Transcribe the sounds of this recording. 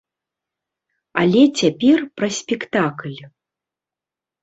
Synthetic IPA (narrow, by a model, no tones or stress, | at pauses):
alʲɛt͡sʲapʲɛrpɾɐsʲpʲɛkt̪aklʲ